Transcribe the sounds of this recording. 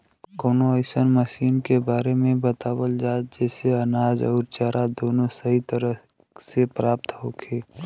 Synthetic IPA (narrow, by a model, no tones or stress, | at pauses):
koːnoəɪsənməʃiːnkebaːɾemẽbət̪aːwəld͡ʒaːd͡ʒɛːseɐnaːd͡ʒɔ̰ːɾt͡ʃaːɾʔad̪oːnõsəɦit̪əɾə | sepɾaːp̚t̪ɦoːkʰeː